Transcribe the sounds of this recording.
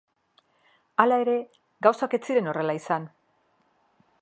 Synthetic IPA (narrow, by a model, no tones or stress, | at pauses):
alae̞ɾe̞ | ɡawsake̞t͡siɾe̞no̞re̞laisan